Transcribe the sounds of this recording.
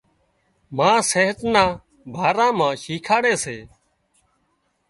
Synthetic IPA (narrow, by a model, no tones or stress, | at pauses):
mãːseːɦət̪nãː | bʱaːɾãːmãːʃiːkʰaːɽeːseː